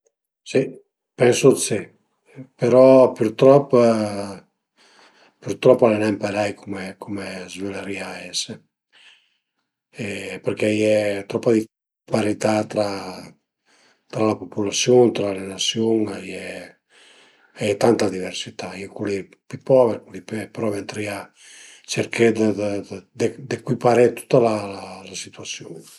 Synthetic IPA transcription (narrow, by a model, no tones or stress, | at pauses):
si | pɛnsosi | peɾɔpyɾt̪ɾɔpː | pyɾt̪ɾɔpːalenɛmpeɾajkʰumekʰumezveleɾiaɛse | ɛpeɾkɛjɛt̪ɾɔpːad̪i | paɾit̪at̪ɾa | t̪ɾalapopulasjoŋt̪ɾalenasjoŋajɛ | ajɛt̪ant̪ad̪iveɾsit̪ajɛkuli | pipɔveɾkulippɾɔvent̪ɾia | t͡ʃeɾkʰed̪əd̪ed̪ekwipaɾet̪u̥t̪ːalalalasit̪uasjuŋ